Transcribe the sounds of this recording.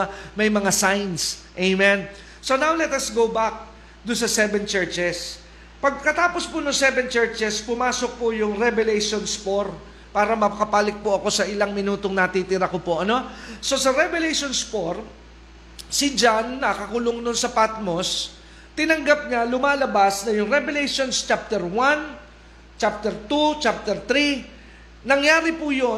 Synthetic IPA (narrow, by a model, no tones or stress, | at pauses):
mɐjmɐŋasajnsʔejmɛn | so̞nawlɛt̪ɐsɡowbak̚ | d̪ʊnsɐsɛvɛnt͡ʃɛɹt͡ʃɛs | pɐɡ̚kɐt̪aːpo̞spʊnʊŋsɛvɛnt͡ʃɛɹt͡ʃɛspʊmaːso̞k̚pʊjʊŋɾɛbɛlɛjʃonspo̞ɾ | paːɾɐmɐpɐkɐpaːlɪk̚poɐko̞sɐʔɪlaŋmɪnuːt̪o̞ŋnɐt̪iːt̪ɪɾɐko̞po̞ʔɐno̞so̞sɐɾɛbɛlejʃo̞nspoɾ | sɪd͡ʒanːɐkɐkʊloŋnʊnsɐpat̪mo̞s | t̪ɪnɐŋɡap̚ɲalʊmaːlɐbasnɐjʊŋɾɛbɛlɛjʃo̞nst͡ʃap̚t̪ɛɾwan | t͡ʃap̚t̪ɛɾt̪ut͡ʃap̚t̪ɛɾt̪ɾi | nɐŋjaːɾɪpʊjo̞